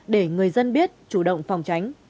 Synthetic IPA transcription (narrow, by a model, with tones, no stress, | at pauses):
ɗe˧˩ŋɨ˨˩əjzə˧nɓi˦˥ət̚t͡ɕu˧˩ɗə̰˧˨wŋ͡mfa˨˩wŋ͡mt͡ɕa˨˦jŋ̟